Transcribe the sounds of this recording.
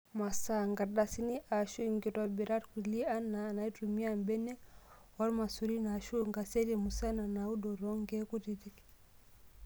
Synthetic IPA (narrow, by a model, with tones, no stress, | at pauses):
ma˨sa˦ŋɡa˨da˨si˦ni˦ʔa˨ʃu˦ŋɡi˨ɾa˨bi˨ɾa˦ɾkuli˦a˦naː˨na˨i˦tumi˦ambɛ˦nɛ˦ | wa˦ɾma˨su˨ɾi˦na˨ʃu˦ŋɡa˨sɛ˦ɾi˨mu˨sa˦na˨na˨u˦dɔ˨ɾɔ˦ŋɡɛ˦ku˦ɾiɾi˦k